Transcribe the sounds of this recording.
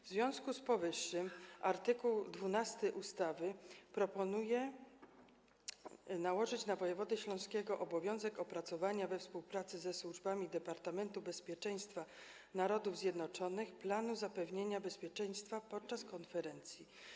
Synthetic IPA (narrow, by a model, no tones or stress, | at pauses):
vzvʲjɔ̃w̃skuspɔvɘʂːɘmaɾt̪ɘkuwd̪vunast̪ɘʔust̪avɘpɾɔpɔnujɛ | nawɔʐɘt͡ɕnavɔjɛvɔd̪ɛɕlɔ̃w̃skʲɛɡɔʔɔbɔvʲjɔ̃w̃zɛkɔpɾat̪sɔvaɲavɛfspuwpɾat̪sɘzɛswuʐbamʲid̪ɛpaɾt̪amɛnt̪ubɛspʲjɛt͡ʂɛj̃st̪fa | naɾɔd̪uvzjɛd̪nɔt͡ʂɔnɘxplanuzapɛvɲeɲabɛspʲjɛt͡ʂɛj̃st̪fapɔt̪̚t͡ʂaskɔnfɛɾɛnt̪sʲji